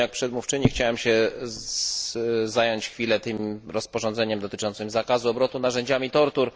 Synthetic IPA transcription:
ak̚pʂɛd̪muft͡ʂɘɲixt͡ɕawɛmɕɛ | zajɔɲt͡ɕxfʲilɛt̪ɘmɾɔspɔʐɔnd̪zɛɲɛmd̪ɔt̪ɘt͡ʂɔnt̪sɘmzakazuɔbɾɔt̪unaʐɛɲd͡ʑamʲit̪ɔɾt̪uɾ

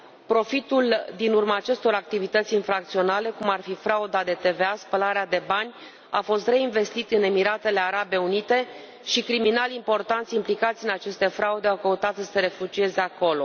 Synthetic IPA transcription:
pɾo̞fit̪uld̪inurmaːt͡ʃe̞st̪o̞ɾak̚t̪ivit̪ət̪sʲinfɾak̚t̪sio̞nale̞kumarfifɾaud̪ad̪e̞t̪e̞ve̞aspəlaɾead̪e̞banʲ | a̰fo̞st̪re̞inve̞st̪it̪ɨne̞miɾat̪e̞le̞aɾabe̞unit̪e̞ | ʃikɾiminalimpo̞rt̪ant̪sʲimplikat̪sʲɨnat͡ʃe̞st̪e̞fɾaud̪eawkəut̪at̪səse̞ɾe̞fud͡ʒie̞ze̞ako̞lo̞

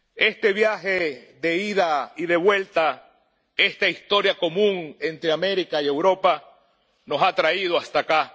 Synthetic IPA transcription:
e̞st̪e̞βjaxeðe̞iðaiðe̞βwe̞lt̪a | e̞st̪aist̪o̞ɾjako̞mũŋe̞nt̪ɾeame̞ɾikaie̞wɾo̞pa | no̞sat̪ɾaið̞oast̪aka

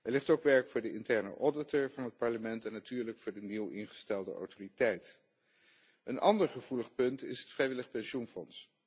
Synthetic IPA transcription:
ɛɹlɪχtowkʋɛɹkfʊːɹdəɪntɛɹnə̰ʔɔɹdɪtəɹvɑnɦət̚pɑɹləmɛntɛnːatyːɹləkfʊːɹdəniwɪnχə̥stɛlˠdə̰ʔo̰wtoritɛjt | ənɑ̰ndəɹχəv̥uləχpɵntɪ̰sɦətfrɛjʋɪləχpɛnʃunfɔns

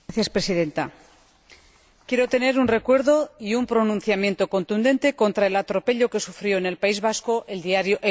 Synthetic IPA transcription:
θjaspɾe̞siðe̞nt̪a̰ | kje̞ɾo̞t̪e̞ne̞ɾunre̞kwe̞ɾðo̞iumpɾo̞nũnθjamje̞nt̪o̞ko̞nt̪und̪e̞nt̪e̞ko̞nt̪ɾae̞lat̪ɾo̞pe̞ʎo̞ke̞sufɾjo̞ene̞lpaizβasko̞ʔeld̪iaɾjoʔe

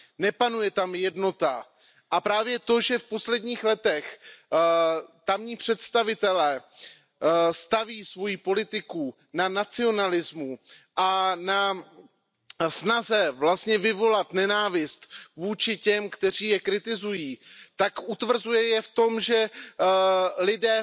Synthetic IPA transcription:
nɛpanujɛt̪amjɛdno̞t̪a | ʔapɾaːvjɛt̪o̞ʒɛfpo̞slɛdɲiːxlɛt̪ɛx | t̪amɲiːpr̝̥ɛt̪st̪avɪt̪ɛlɛː | st̪aviːsvo̞jipolɪt̪ɪku | nanat͡sɪo̞nalɪzmuʔana | snazɛvlast̪ɲɛvɪvo̞lat̪nɛnaːvɪst̪vuːt͡ʃɪcɛmkt̪ɛr̝iːjɛkɾɪt̪ɪzujiːt̪akʔut̪vr̩zujɛjɛft̪o̞mʒɛ | lɪdɛː

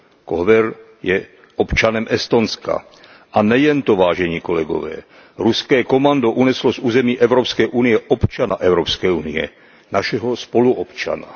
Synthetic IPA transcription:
koɦvɛɾ | jɛ | opt͡ʃanɛmɛst̪onska̰ | ʔanɛjɛnt̪ovaːʒɛɲiːkolɛɡo̰vɛ̰ː | ɾuskɛːkomand̪oʔunɛslozuːzɛmiːʔɛvɾopskɛʔunɪjɛʔopt͡ʃanaʔɛwɾopskɛjuniɛ̰ | naʃɛɦospoluʔɔpt͡ʃa̰na

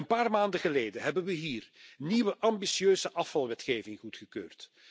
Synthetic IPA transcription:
ənpaːrmaːndəɣəleːjdəɦɛbənʋəɦiːrniʋəʔɑmbisjøːzəʔɑfɑlˠʋɛtxeːvɪŋχutχəkøːrt

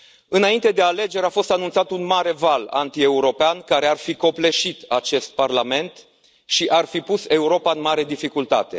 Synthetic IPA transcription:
ɨnaint̪e̞d̪e̞ale̞d͡ʒe̞ɾafo̞st̪anunt̪sat̪unmaɾe̞vala̰nt̪ie̞uɾo̞peankaɾe̞arfiko̞ple̞ʃit̪at͡ʃe̞st̪̚parlame̞nt̪ | ʃiʔarfipuse̞uɾo̞paɨnmaɾe̞d̪ifikult̪a̰t̪e̞

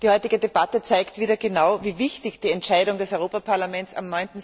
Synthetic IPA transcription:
d̥iːhɔʏtɪɡədebatət͡saɪktv̥iːɾɐɡənaʊviːvɪçtɪçd̥iːɛntʃaɪɾʊŋdɛsɔʏʁoːpapʰaɐlamɛnt͡sa̰mnɔʏntn̩

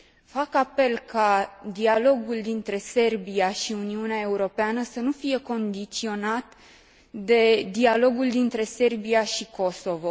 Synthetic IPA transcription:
fakape̞lkad̪ialo̞ɡuld̪int̪ɾe̞se̞rbiaʃiuniuneae̞uɾo̞peanəsənufije̞ko̞nd̪it̪sio̞nat̪ | d̪e̞d̪ialo̞ɡuld̪int̪ɾe̞se̞rbiaʃiko̞so̞vo̞

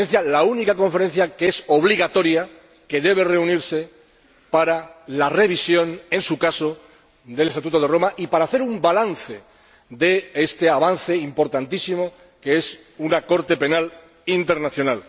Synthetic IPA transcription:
en̟θjalaunikako̞ɱfe̞ɾen̟θjakeeso̞β̞liɣ̞at̪o̞ɾja | ke̞ðe̞β̞e̞re̞uniɾse̞ | paɾalare̞β̞isjo̞ne̞nsukaso̞ | d̪e̞lest̪at̪ut̪oð̞e̞ro̞maʔipaɾaːθe̞ɾumbalanθe̞ | ðe̞est̪e̞aβan̟θe̞impo̞ɾt̪ant̪isimo̞ | kee̞s | unako̞ɾt̪e̞pe̞nal | int̪e̞ɾnaθjo̞nal

